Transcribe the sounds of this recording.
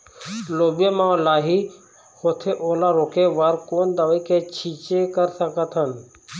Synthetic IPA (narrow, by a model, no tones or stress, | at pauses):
loːbjəmãlaːɦi | hoːt̪ʰeʔoːlaɾoːkeʋəɾkoːnd̪əʋikʰet͡ʃʰiːt͡ʃekəɾsəkət̪ʰən